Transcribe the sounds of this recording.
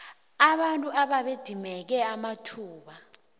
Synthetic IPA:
aɓantʼuʔaɓaɓed̥ʱimɛk̬ɛamatʰuːɓa

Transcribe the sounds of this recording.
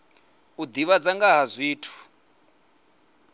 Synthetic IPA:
ud̪iβad͡zaŋɡaɦazʷiːtʰu̥

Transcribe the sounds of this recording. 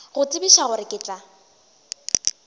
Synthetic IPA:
ɣʊt͡sʼɪbiʃaɣʊɾɪkʼɪːt͡sʼa

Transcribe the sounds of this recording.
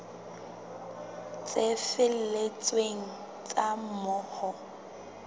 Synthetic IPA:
t͡sʼefɪl̩let͡sʼweŋ̩ | t͡sʼamʊːχɔ

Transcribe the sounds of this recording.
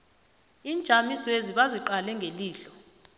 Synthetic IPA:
iːnd͡ʒ̥ʱamisɔeziɓaziǃalɛŋɡʱeliːɬɔ̥

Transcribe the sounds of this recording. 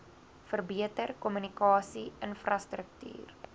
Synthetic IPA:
fərbiətərkɔmynikɑːsiənfrɐstrək̚ty̰ːr

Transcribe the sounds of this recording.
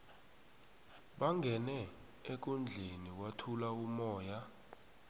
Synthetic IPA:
ɓaŋɡʱɛnɛ | ek̬und͡ɮʱeniwatʰulaumɔːja

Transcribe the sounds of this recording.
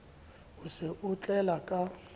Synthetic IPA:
ʊsɪʔut͡ɬʼɛlakʼa

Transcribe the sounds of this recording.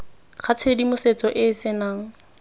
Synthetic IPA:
k͡xʰat͡sʰedimʊset͡sʼɔʔɪːsɪnaːŋ̩

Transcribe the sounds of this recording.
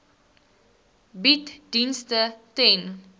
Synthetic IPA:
bitdinstətɛn

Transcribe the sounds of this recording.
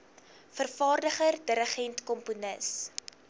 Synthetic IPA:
fərfɑːrdəχərdəɾəχɛntkɔmpunəs

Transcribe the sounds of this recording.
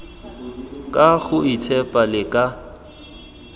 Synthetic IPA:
kʼaɣʊit͡sʰɛpʼalɪkʼa

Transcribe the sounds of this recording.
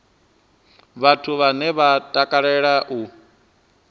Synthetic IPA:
βatʰuβanɛβatʼakʼaɺɛɺaʔu

